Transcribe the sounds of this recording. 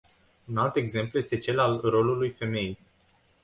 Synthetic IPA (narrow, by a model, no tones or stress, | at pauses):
unalt̪e̞ɡze̞mpluje̞st̪e̞t͡ʃe̞lalro̞lulujfe̞me̞j